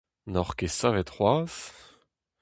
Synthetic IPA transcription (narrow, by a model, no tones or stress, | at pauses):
nɔʁkesavɛt̪ʁwaːz̥